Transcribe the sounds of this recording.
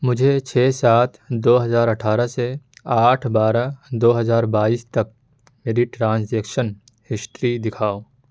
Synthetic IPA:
mʊd͡ʒʱet͡ʃʰɛːsaːt̪ʰd̪oːɦɐzaːɾəʈʰaːɾaseaːʈʰbaːɾad̪oːɦɐzaːɾbaːiːst̪ɐk̚ | meːɾiʈɾãːnseːkʃən | hɪʃʈɾid̪ɪkʰaːoː

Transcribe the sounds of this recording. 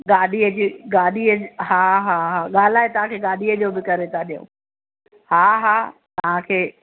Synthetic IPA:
ɠaːɗiəd͡ʑiːɡaːɗiəɦaːɦaːɦaːɠaːl̤aːɦet̪ɐʋ̤ãkʰeːɠaːɗiəd͡ʑoːbɪkɐɾet̪ʰaɗijṵ̃ː | haːɦaːt̪ɐʋ̤ãkʰeː

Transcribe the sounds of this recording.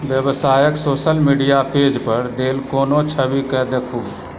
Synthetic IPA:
ʋjəʋsaːjəksoːʃəlmiːɖijapeːd͡ʒpɐɾd̪eːlkoːnot͡ʃʰəʋikɛd̪ekʰuː

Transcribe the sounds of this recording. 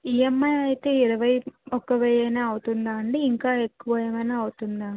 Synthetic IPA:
ijemːɐjɐjt̪eːiɾɐʋɐjɔkːɐʋɛjɐjnaːɐwut̪und̪aːɐɳɖeiŋkaːekːuʋɐjɐmɐjnaːɐwut̪und̪aː

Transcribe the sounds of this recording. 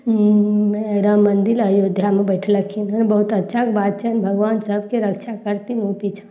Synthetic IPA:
eɾamːənd̪iləjod̪ʱjamebəɪʈʰləkʰinɦənbəɦut̪ət̪ːʃʰakebad̪̚t͡ʃʰənbʱəɡʋansəbʱkeɾəkt͡ʃʰakəɾt̪inupit͡ʃʰə̥

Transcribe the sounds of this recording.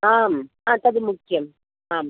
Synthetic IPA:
aːm | aːt̪ɐðimʊkːɪjɐm | aːm

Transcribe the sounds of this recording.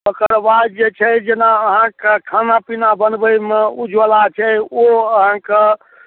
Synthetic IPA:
bəkəɾbajd͡ʒet͡ʃʰɛd͡ʒenaəɦãkekʰanapinabənbəjmeud͡ʒʱʋəlat͡ʃʰɛoəɦãke

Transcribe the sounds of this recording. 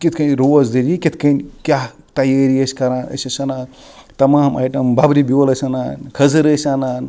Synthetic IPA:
kit̪ʰkɐnʲɾoːzd̪iɾikit̪ʰkɐnkʲjaː | t̪ɐjaːɾiɐsʲkɐɾaːnɐ̰sɐsɐnaːn | t̪ɐmaːma̰ːjʈɐmbabɾibiʋɐlɐsɐnaːnkʰɐzɨɾɐsanaːn

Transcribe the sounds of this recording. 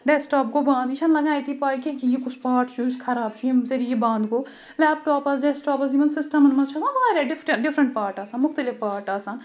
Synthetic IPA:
ɖeːsʈaːp̚kobãːnd̪iʃʰɐnlɐɡaːjt̪ipaːikẽkijikʊt͡ʃʰpaːɾʈt͡ʃʰuskʰɐɾaːbt͡ʃʰujesɐɾijebãːnd̪koː | lɛːp̚ʈɔːpɐsɖeːsʈɔːpɐsd͡ʒiʋɐnsɪsʈɐmɐnmɐt͡ʃʰasãnʋɐaːɾaːɖɪfɾɐɖɪfʰɾɐ̃ɳʈ̚paːɾʈaːsanmʊxt̪ɐlɪfpaːɾʈaːsaːn

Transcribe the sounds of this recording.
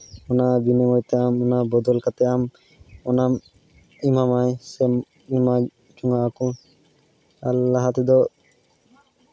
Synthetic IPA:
unabineŋɔjt̪ɛamunabɔd̪ɔlkat̪ɛam | ɔnam | imamajse | ima | t͡ʃuŋaaku | alːaɦat̪ed̪ɔ

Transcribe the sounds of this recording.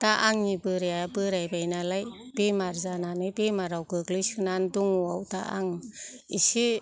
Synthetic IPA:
taʔaŋɲibɯɾaabɯɾajbajnalajb̥emaɾzananɯjbemaɾawɡɯɡliskʰɯnanduŋuawta̰ʔa̰ŋ | isi

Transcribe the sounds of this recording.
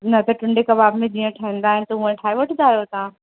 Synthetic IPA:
nɐt̪ɐʈʊ̃ɳɖekɐbaːbmẽd͡ʑiːə̃ʈʰaɦĩnd̪aːɦɪnɪ̆t̪ɐuə̃ʈʰaːiʋɐʈʰd̪aːjot̪ãː

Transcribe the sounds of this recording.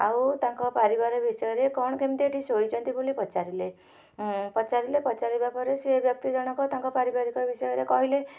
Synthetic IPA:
awt̪ãŋkɔpaɾibaɾɔbisɔjɔɾekɔɽ̃ɔkemt̪eʈisɦojt͡ʃʰɔnt̪ibulipɔt͡ʃaɾile | pɔt͡ʃaɾilepɔt͡ʃaɾibapʰɔɾesebjɔk̚t̪id͡ʒɔɽ̃ɔkɔt̪ãŋkɔpaɾibaɾikɔbisɔjɔɾekɔɦile

